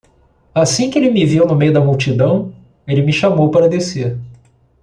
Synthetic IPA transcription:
asĩkɪelɪmɪviwnʊmejʊd̪ɐmuwt͡ʃid̪ɐ̃w̃ | elɪmɪʃamowpaɾɐd̪eseɾ

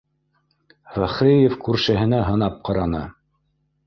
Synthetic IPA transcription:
fæχɾijefkʉɾʃæɦɘ̆næɦɤ̆nɑp̚qɑɾɑnɤ̰

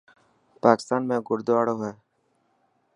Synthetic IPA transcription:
paːkɪ̥st̪aːnmẽːɡʊɾd̪oaːɽoːɦeː

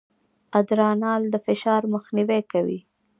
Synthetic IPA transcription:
ad̪ɾɑnɑld̪əfɪʃɑɾməxniwekawḭ

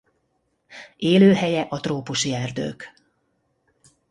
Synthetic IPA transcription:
eːløːɦɛjɛʔɒt̪roːpuʃiɛrd̪ø̰ːk

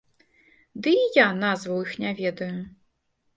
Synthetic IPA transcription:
d̪ɨijanazvɐwixnʲɛvʲɛd̪ɐju

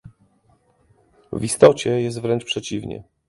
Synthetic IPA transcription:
vist̪ɔt͡ɕɛjɛst̪vɾɛnt͡ʂpʂɛt͡ɕivɲɛ̰

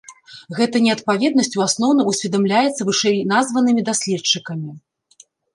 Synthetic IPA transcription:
ɣɛt̪ɐnʲɛɐt̪̚pavʲɛd̪nɐsʲt͡sʲuasnɔwn̪ɐusʲvʲɛd̪amlʲajɛt̪sːɐvɨʂɛjnazvɐnɨmʲid̪asʲlʲɛt͡ʂːɨkɐmʲi

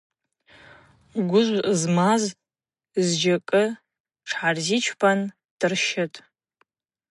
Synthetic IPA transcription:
ɡʷʊʒʷzmaz | zd͡ʒakʼɨ | ʈ͡ʂʰħarzit͡ʃʷʰpʰan | d̥ɨrʃɪtʼ

